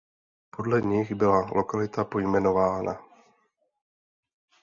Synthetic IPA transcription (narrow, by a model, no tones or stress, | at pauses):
po̞dlɛɲɪɣbɪlalʔo̞kalɪt̪apo̞jmɛno̞vaːna̰